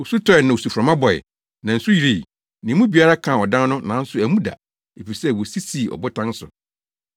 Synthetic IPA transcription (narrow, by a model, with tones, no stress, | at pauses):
o˨su˦tʰɔ˦ɛ˨nã˨o˨su˨fɾã˨mã˦bɔ˨ɛ̰˨ | nã˨n̩˨su˦ji˨ɾi˨ | nɪ̃˨˦mũ˦bi˨a˦ɾa˦kʰã˨ɔ˨dã˦n˦nʊ̃˦nã˨˦n̩˦sʊ˨˦æ˨mũ˦da̰˨ | e˨fi˨sɛ˦wɔ˨si˦si˨ɔ̰˨bʊ˦tʰã˦n˦sʊ̰˨